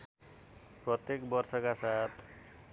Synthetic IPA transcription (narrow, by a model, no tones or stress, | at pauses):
prɔt̪ekbɔrsɔkasat̪ʰ